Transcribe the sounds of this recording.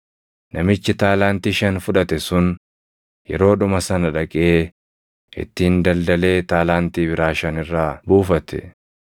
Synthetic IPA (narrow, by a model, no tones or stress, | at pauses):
nʔɐmɪt͡ʃːɪt̪aːlaːnt̪iːʃɐnfʊᶑɐt̪ɛsʊn | jɛ̰ɾo̞ːᶑʊmɐsɐnɐᶑɐkʼeː | ʔɪ̰t̪ːiːnd̪ɐld̪ɐle̞ːt̪aːlaːnt̪iːbɪɾaːʃɐnɪrːaːbuːfɐt̪ɛ̥̰